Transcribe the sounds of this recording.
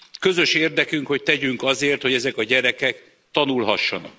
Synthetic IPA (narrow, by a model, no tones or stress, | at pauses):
kːø̞zø̞ʃeːrd̪ɛkyŋkho̞c̚t̪ɛɟyŋkɒzeːrt̪ho̞ɟɛzɛkɒɟɛɾɛkɛk | t̪ɒnulɦɒʃːɒnɒ̰k̚